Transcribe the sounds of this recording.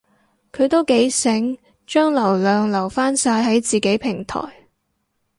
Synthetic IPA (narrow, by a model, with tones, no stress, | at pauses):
kʰɵ˨˧ɥt̪o˥wke˨˥jsɪ˨˥ŋ | t͡ʃœː˥ŋlɐ˨˩wlœː˨ŋlɐ˨˩wfaː˥nsaː˧jɦɐ˨˥jt͡siː˨ke˨˥jpʰɪ˨˩ŋt̪ʰɔ̰ː˨˩j